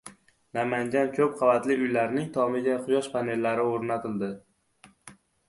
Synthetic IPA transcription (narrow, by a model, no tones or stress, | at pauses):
namanɡʲankʲʰɵp̚qʰɑvat̪lɪʊjlaɾnɪŋt̪ʰɒmɪɡʲaqʰʊjɒʃpʰane̞lːaɾɪoɾnat̪ʰɪld̪ɪ